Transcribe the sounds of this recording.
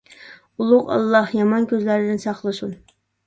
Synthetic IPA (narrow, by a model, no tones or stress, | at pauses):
ulˠʊqɑ̰lˠːɑhjɑmɑnkʲøzlæɾɪd̪ɪnsɑχlˠɨsun